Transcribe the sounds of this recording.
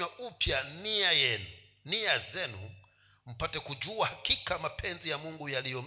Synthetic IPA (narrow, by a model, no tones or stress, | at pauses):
aupjaniajɛnu | niazɛnṵ | m̩patɛkud͡ʒuahakikamapʰɛnzijamuŋɡujalijɔm